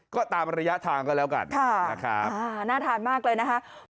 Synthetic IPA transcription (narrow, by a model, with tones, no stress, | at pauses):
kɔː˥˩t̪aː˧mɾa˧ja˦˥ʔt̪ʰaː˧ŋkɔː˥˩lɛː˦˥wka̰˧nkʰa˥˩na˧˩kʰɾa˦˥aː˧naː˥˩t̪ʰaː˧nmaː˥˩k̚lɤː˧jna˦˥kʰa˦˥